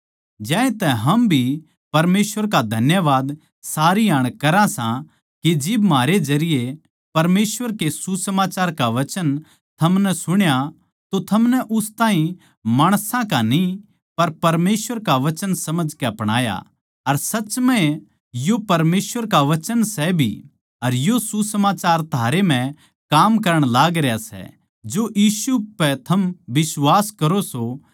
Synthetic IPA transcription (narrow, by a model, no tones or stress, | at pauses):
d͡ʒɛ̃ːẽt̪ɛɦɐmbʱi | pɐɾmeːsʋəɾkad̪ʱɐnjəʋaːd̪ | saːɾiaːɽ̃kɐɾãsã | kid͡ʒɪbmaːɾed͡ʒɐɾɪje | pɐɾmeːsʋəɾkesusɐmaːt͡ʃaːɾkaʋɐt͡ʃən | t̪ʰɐmnɛsʊɽ̃ja | t̪ot̪ʰɐmnɛʔʊst̪aːɦĩ | maːɽ̃sãkani | pɐɾpɐɾmeːsʋəɾkaʋɐt͡ʃənsɐməd͡ʒʱkɛɐpɽ̃a̰ːja̰ | ɐɾsɐt͡ʃmɛ̃ | jopɐɾmeːsʋəɾkaʋɐt͡ʃənsɛbʱḭ | ɐɾjosusɐmaːt͡ʃaːɾt̪ʰaːɾem̤ɛ̃ | kaːmkɐɾəɽ̃laːɡɾejasɛ̰ | d͡ʒojiːsupɛt̪ʰɐmʋɪswaːskɐɾoso